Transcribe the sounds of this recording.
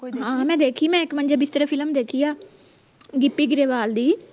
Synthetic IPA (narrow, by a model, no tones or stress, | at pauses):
ɦãːmɛ̃ːd̪eːkʰiːmɛ̃ːɪkmənd͡ʒaːbɪst̪əɾaːpʰɪləmd̪eːkʰiːaː | ɡɪpːiːɡɪɾeːʋaːld̪iː